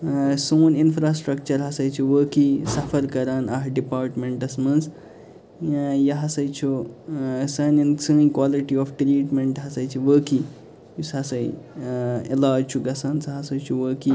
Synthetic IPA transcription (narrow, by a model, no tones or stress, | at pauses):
soːninfɾaːsʈɾɐk̚t͡ʃɐɾɦɐsɐjt͡ʃʰuʋəːkisɐfəɾkɐɾaːnaɦɖipaːɾʈmeɳʈɐsmɐnz | jɐɦɐsɐjt͡ʃʰu | sɐːnint͡sə̃ːkwaːliʈiɔfʈɾiːʈmẽɳʈɦɐsɐjt͡ʃʰiʋəːki | jusɐsɐj | elaːd͡ʒt͡ʃʰuɡɐsaːnt͡sɐɦɐsɐjt͡ʃʰuʋəːki